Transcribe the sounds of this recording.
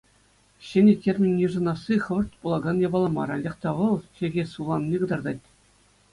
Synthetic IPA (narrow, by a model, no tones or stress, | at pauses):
ɕɘ̆nʲetʲːerʲmʲĭnʲːiʐɤ̆nɑsːiχɤ̆ʋɤ̆rt̪ʲpulˠɑɡɑnjɑbɑlˠɑmɑ̰ɾɑnʲɑχt̪ɑʋɤ̆lˠɕĕɡʲesulˠɑnnʲiɡɤ̆d̪ɑrd̪ɑtʲ